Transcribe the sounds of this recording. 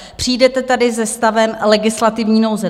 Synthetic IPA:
pr̝̥iːdɛt̪ɛt̪adɪzɛst̪avɛmlɛɡɪslat̪ɪvɲiːnowzɛ

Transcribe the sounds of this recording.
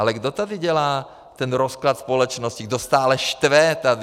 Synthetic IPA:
alɛɡdot̪ad̪ɪɟɛlaː | t̪ɛnɾosklat̪spolɛt͡ʃnoscɪɡdost̪aːlɛʃt̪vɛt̪adɪ

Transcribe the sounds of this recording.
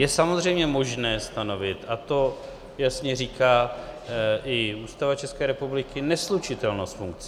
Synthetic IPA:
jɛsamozr̝ɛjmɲɛmo̞ʒnɛːst̪ano̞vɪt̪at̪o̞ | jasɲɛriːkʰaː | ʔɪuːst̪avat͡ʃɛskɛːɾɛpublɪkɪnɛslut͡ʃɪt̪ɛlnost̪fuŋk̚t͡sɛ

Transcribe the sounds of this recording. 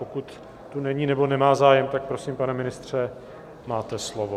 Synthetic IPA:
pokut̪ː | unɛɲinɛbo̞nɛmaːzaːjɛmt̪ak̚pɾosimpanɛmɪnɪst̪r̝̥ɛ | maːt̪ɛslovo

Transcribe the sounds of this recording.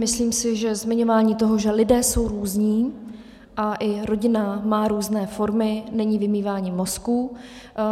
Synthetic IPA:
mɪsliːmsɪʒɛzmɪɲo̞vaːɲiːt̪o̞ɦoʒɛlɪdɛːso̞wɾuːzɲiː | ʔaʔɪɾo̞ɟɪnamaːɾuːznɛːfo̞ɾmɪnɛɲivɪmiːvaːɲɪmo̞sku

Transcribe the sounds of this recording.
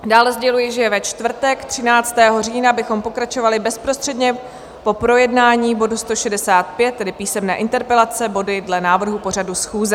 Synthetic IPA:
daːlɛzɟɛlujɪʒɛɛvɛt͡ʃt̪vr̩t̪ɛkt̪r̥ɪnaːt͡st̪ɛːɦo̞riːnabɪxo̞mpo̞kɾat͡ʃo̞valɪbɛspɾost̪r̥ɛdɲɛ | po̞pɾo̞jɛdnaːɲiːbo̞dust̪o̞ʃɛdɛsaːt̪̚pjɛt̪ːɛdɪpiːsɛmnɛ̰ːʔɪnt̪ɛɾpɛlat͡sɛbo̞dɪdlɛnaːvr̩ɦupo̞r̝adusxuːzɛ

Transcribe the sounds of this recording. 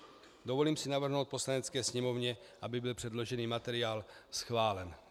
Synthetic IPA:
d̪o̞vo̞liːmsɪnavr̩ɦnowt̪̚po̞slanɛt͡skɛːsɲɛmo̞vɲɛʔabɪbɪlpr̥ɛd̪lo̞ʒɛniːmat̪ɛɾɪaːlsxvaːlɛn

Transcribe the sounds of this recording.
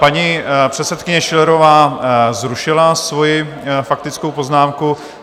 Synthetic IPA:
paɲipr̝̥ɛt̪sɛt̪kɪɲɛʃɪlɛɾo̞vaːzɾuʃɪlasvo̞jɪ | fak̚t̪ɪt͡skowpo̞znaːmku

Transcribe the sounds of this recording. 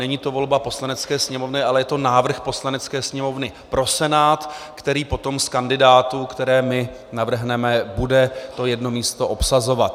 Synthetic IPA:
nɛɲiːt̪o̞vo̞lbapo̞slanɛt͡skɛːsɲɛmovnɪʔalɛjɛt̪onaːvr̩xpo̞slanɛt͡skɛːsɲɛmo̞vnɪpɾo̞sɛnaːt̪kt̪ɛɾiːpo̞t̪o̞mskandɪdaːt̪uːkt̪ɛɾɛːmɪ | navr̩ɦnɛmɛbudɛt̪o̞jɛdno̞miːst̪o̞ʔo̞psazo̞vat̪

